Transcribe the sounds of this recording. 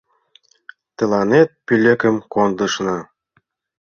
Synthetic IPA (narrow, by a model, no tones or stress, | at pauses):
t̪ə̆lɑnet̪̚pylʲĕkə̆mkond̪ə̆ʃnɑ